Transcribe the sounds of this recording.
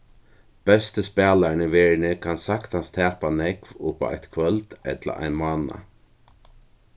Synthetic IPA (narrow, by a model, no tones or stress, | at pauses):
b̥ɛst̪əspɛːlaɳɪʋɛːɹnɪkʰansakt̪hanst̪ʰɛːpanɛkvʊpa̰a̰jt̪kʰvœlt̪ɛt̪la̰ʔa̰jnmaːna̰